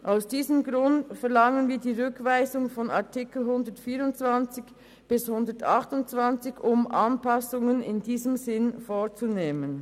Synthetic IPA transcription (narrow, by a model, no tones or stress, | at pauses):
ʔaʊsd̥iːzəmɡʁʊntfɛʁlɑŋənviːɐdiːʁʏkv̥aɪzʊŋfɔnaɐtʰɪkl̩ɦʊndətfiːʁʊnt͡sv̥ant͡sɪç | b̥ɪshʊndətɑχtʊntt͡sv̥ant͡sɪçʊmʔɑnpʰɑsʊŋənɪ̰ndiːzəmzɪnfoːt͡suneːmən